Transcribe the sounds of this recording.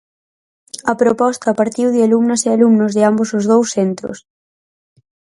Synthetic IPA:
ɐpɾopɔst̪apaɾt̪iwðɪalumnasealumnozðɪambosozð̞owsθent̪ɾo̰s

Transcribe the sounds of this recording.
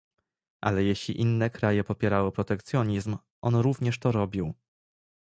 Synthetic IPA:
ʔa̰lɛjeɕlʲḭʔinːɛkɾajɛpɔpʲjɛɾawepɾɔt̪ɛkt̪sʲjɔɲizm | ʔɔnɾuvɲɛʂt̪ɔɾɔbʲiw

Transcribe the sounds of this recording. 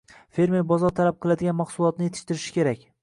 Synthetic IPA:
fe̞ɾme̞ɾbɒzɒɾt̪ʰalap̚qʰɨlˠad̪ɪɡʲanmaχsʊlˠɒt̪̚nɪje̞t̪ʰɪ̥ʃt̪ɪɾɪʃɪ̥kʲʰe̞ɾakʲ

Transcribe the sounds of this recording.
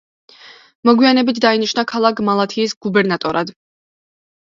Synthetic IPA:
mɔɡwianɛbit̪ʰd̪ainiʃnakʰalˠakʰmalˠat̪ʰiːsɡubɛɾnat̪ʼɔɾad̪

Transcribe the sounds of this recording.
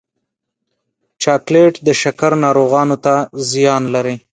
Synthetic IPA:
t͡ʃɑkleʈd̪əʃakaɾnɑɾoɣɑnot̪azijɑnlaɾi

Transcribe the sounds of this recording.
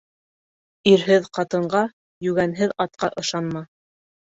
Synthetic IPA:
iɾɦɘðqɑt̪ɤ̆ɴɢɑ | jʉɡænɦɘðɑt̪̚qɑʔɤ̆ʃɑnmɑ

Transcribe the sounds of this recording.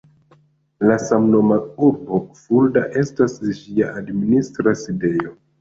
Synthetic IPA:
lasamno̞mauɾbo̞fuldaʔe̞stasd͡ʒiaʔadministɾaside̞jo̞

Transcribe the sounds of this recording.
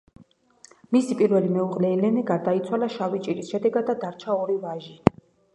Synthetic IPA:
misipʼiɾvɛlimɛuqʼlɛilɛnɛɡaɾd̪ait̪sʰwalaʃavit͡ʃʼiɾisʃɛd̪ɛɡad̪ːad̪aɾt͡ʃʰaɔɾivaʒi

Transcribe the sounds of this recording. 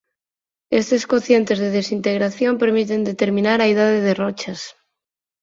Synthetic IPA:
est̪eskoθje̞nt̪e̞zðeð̞esint̪eɣɾaθjompeɾmit̪e̞nd̪et̪eɾmĩnaɾaeð̞aðeðerot͡ʃas

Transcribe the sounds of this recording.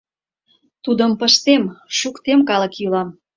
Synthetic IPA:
t̪ud̪əmpəʃt̪emʃukt̪emkɑlə̆kjylɑm

